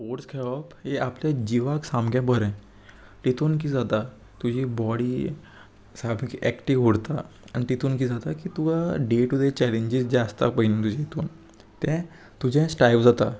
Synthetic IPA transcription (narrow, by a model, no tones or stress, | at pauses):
poɾskʰɛɭɔpɦeapljad͡ʑiʋaksãmɡjãbʱəɾɛ̃ | t̪it̪uːnk̬iːd͡zat̪a | t̪ud͡ʑʱiːbɔɽiː | sabikiʔɛkʈiʋɦuɽt̪a̰ | a̰ñit̪it̪uːnkiːd͡zat̪akiːt̪uɡaɖeʈud̪et͡ɕɛleɲd͡ʑisd͡ʑɛəst̪a̰pəɦinẽt̪ud͡ʑɛ̃it̪uːn | t̪ɛ̃ | t̪ud͡ʑɛ̃sʈajʋd͡zat̪a